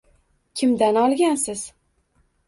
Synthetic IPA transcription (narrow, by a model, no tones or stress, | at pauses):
kʲʰɪmd̪anɒlˠɡʲansɪz̥